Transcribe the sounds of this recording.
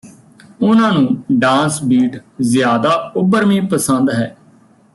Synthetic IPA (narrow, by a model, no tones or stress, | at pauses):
ʊnãːnũːɖãːnsbiːʈzɪjaːd̪aːʊbəɾmĩːpəsənd̪ɦɛː